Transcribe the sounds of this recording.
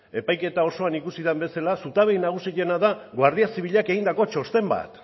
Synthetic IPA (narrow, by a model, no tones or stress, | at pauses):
e̞pajke̞t̪ao̞so̞anikusiðembe̞salasut̪aβe̞jnaɣ̞usiʎe̞naðaɣwaɾðiasiβ̞iʎake̞ɣind̪ako̞t͡ʃo̞st̪e̞mba̰t̪